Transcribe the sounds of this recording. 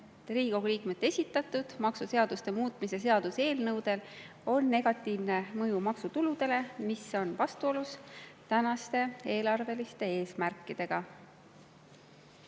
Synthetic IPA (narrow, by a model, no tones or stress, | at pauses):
riːɡ̥oɡliːkme̞t̪ːˑe̞sʲit̪ːˑɑt̪ːˑud̪̥mɑksuse̞ɑd̪̥ust̪e̞muːt̪ˑmises̬e̞ɑd̪̥use̞ːlnɤwd̪̥e̞l | o̞nːe̞ɡ̥ɑt̪ːˑiːvne̞mɤjumɑksut̪ulud̪̥e̞le̞miso̞nvɑst̪uo̞lust̪ænɑst̪e̞e̞ːlɑrve̞list̪e̞e̞ːsmærkːˑid̪̥e̞ɡ̥ɑ